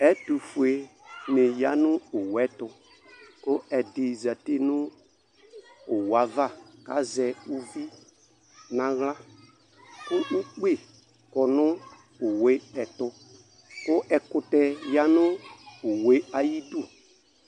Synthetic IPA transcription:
ɛ˦tu˨fu˨e˨nɪ˨ja˦nʊ˦ʊ˨wɛ˦tʊ˧ | kʊ˦ɛ˨dɪ˨za˨te˦nʊ̃˦ | ʊ˨wa˨˦va˦˨ka̰˨˦zɛ˨u˦vi˦ | nã˨ɣla˦ | kʊ˦ʔu˦k͡pe˦˨ | kɔ˨nʊ̃˦ | ʊ˨we˦ɛ˨tʊ˦ | kʊ˦ʔɛ˨kʊ˨tɛ˨ja˦nʊ̃˦ʊ˨we˦a˨ji˦du˦˨

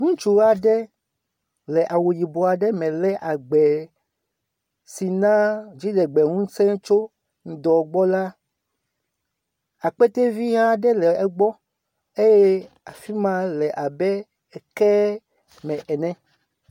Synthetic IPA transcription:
ŋũ˦t͡ʃu˨ɣa˦ɖɛ˦ | lɛ˨ʔa˨wo˨ji˨bo˨a˨ɖɛ˦mɛ̃˨lɛ˦ʔa˨ɡ͡bɛ˨ | si˨nã˦d͡ʑi˦ɖɛ˨ɡ͡bɛ˨ŋũ˦sɛ̃˦ŋ˦t͡ʃo˦ | ŋ̩˨d̪ɔ˨ɡ͡bɔ˦la˦ | a˨k͡pe˦t̪e˦vi˦ɦã˦ɖɛ˦lɛ˨ɛ˨ɡ͡bɔ˦ | e˦je˦ | a˨fi˦mã˦lɛ˨ʔa˨bɛ˦ | ɛ˨kɛ˦ | mɛ̃˨ʔɛ˨nɛ̃˦

